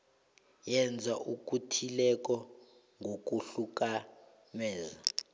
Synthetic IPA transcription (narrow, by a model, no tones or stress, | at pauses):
jɛnd͡zʱaʔuk̬ʼutʰilɛk̬ʼɔ | ŋʱok̬ʼuɬuk̬ʼa | mɛːza